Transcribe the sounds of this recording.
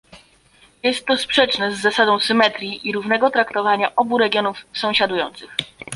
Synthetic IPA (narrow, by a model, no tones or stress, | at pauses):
jɛst̪ːɔspʂɛt͡ʂnɛzːasad̪ɔ̃w̃sɘmɛt̪ɾʲjiʔiɾuvnɛɡɔt̪ɾakt̪ɔvaɲaʔɔbuɾɛɡʲjɔnufsɔ̃w̃ɕad̪ujɔnt̪sɘx